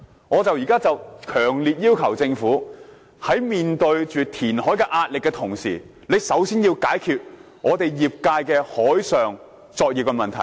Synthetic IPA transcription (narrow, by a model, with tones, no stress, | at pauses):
ŋɔː˨˧t͡sɐ˨wjiː˨˩kaː˥t͡sɐ˨wkʰœː˨˩ŋliː˨t̚jiː˥wkʰɐ˨˩wt͡sɪ˧ŋfuː˨˥ | hɐ˨˥jmiː˨nt̪ɵ˧ɥt͡ʃyː˨t̪ʰiː˨˩nhɔː˨˥jkɛː˧ʔaː˧t̚lɪ˨kːɛː˧t̪ʰʊ˨˩ŋsḭː˨˩ | le˨˧jsɐ˨˥wsiː˥njiː˧wkaː˨˥jkʰyː˨t̚ | ŋʔɔː˨˧t̪e˨jjiː˨˩p̚kaː˧jkɛː˧hɔː˨˥jsœː˨ŋ | t͡sɔː˧k̚jiː˨pkɛ˧mɐ˨nt̪ʰɐ˨˩j